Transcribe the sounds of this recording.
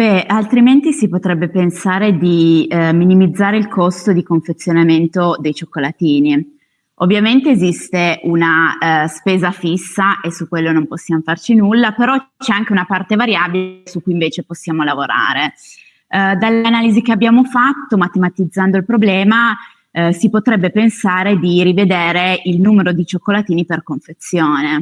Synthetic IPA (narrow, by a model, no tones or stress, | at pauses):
bɛalt̪ɾiment̪isipot̪ɾɛbːepensaːɾed̪iminimid̪zːaːɾeilkʰost̪od̪ikoɱfet̪sːjonament̪od̪ejt͡ʃokːolat̪iːni | ovːjament̪eːzist̪eʔunaspeːzafisːaʔesukːwelːonomposːjamofart͡ʃinulːapeɾɔt͡ʃɛaŋk̟eunapart̪evaɾjaːbilesukːuiɱveːt͡ʃeposːjaːmolavoɾa̰ːɾe | d̪alːanaːlizik̟eabːjaːmofat̪ːomat̪emat̪id̪zːand̪oilpɾoblɛːma | sipot̪ɾɛbːepensaːɾed̪irived̪eːɾeilnuːmeɾod̪it͡ʃokːolat̪iːniperkoɱfet̪sːjoːne